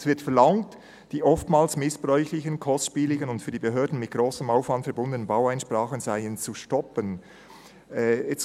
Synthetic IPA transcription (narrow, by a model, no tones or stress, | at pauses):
svɪɐtfɛɐlɑŋt | d̥iːʔɔftmaːlsmɪsb̥ʁɔʏçlɪçənkʰɔstʃpiːlɪɡənʊntfyːdiːbeɦøːɐdn̩mɪt̚ɡ̥ʁoːsəmaʊfvɑntfɛɐbʊndənənbaʊæɪnʃpɾaːχənzaɪənt͡suʃtɔpən | ɛɛt͡s